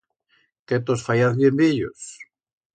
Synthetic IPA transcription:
ket̪osfajaθβjembiʎo̰s

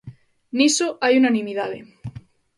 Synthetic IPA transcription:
nisoʔajunanĩmiðaðḛ

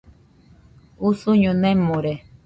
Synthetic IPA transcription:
usuɲõnẽmõɾe

